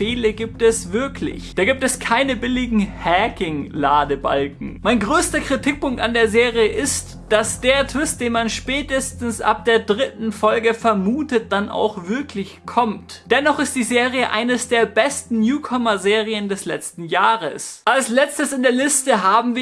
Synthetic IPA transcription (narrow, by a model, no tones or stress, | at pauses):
feːləɡiːp̚tɛsv̥ɪɐklɪ̰çd̥aːɡiːp̚tɛskʰaɪnəbɪlɪɡŋ̩hɛkɪŋlaːdəba̰lkŋ̩maɪnɡʁøːstɐkʁ̥itʰɪk̚pʊŋkta̰ndeːɐzeːʁijəʔɪst | d̥asd̥eːɐtʰv̥ɪst̚d̥eːnmanʃpɛːtəstn̩sʔa̰p̚d̥eːɐdʁɪtn̩fɔlɡəfɛɐmuːtət̚d̥anʔa̰ʊxv̥ɪɐkʰlɪçkʰɔmtd̥ɛnɔχɪst̚d̥iːzeːʁiəʔa̰ɪnəsd̥eːɐbɛstn̩njuːkʰɔmɐzeːʁiəndɛslɛ̰t͡stn̩jaːʁəsʔalslɛt͡stəsɪndeːɐlɪstəɦaːbm̩viː